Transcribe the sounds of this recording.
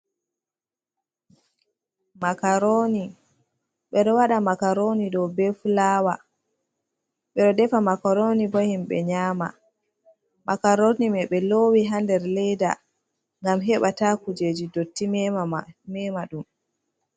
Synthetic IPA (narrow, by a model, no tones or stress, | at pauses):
makaɾoːni | ɓɛɗɔwaɗamakaɾonidɔwbɛfulaːwa | ɓɛɗɔdɛfamakaɾonibohimɓɛ̰ɲaːma̰ | makaɾonimɛɓɛloːwiɦandɛɾlɛjda̰ | ŋɡamɦɛɓatakud͡ʒed͡ʒidotːimɛmɛmaɗum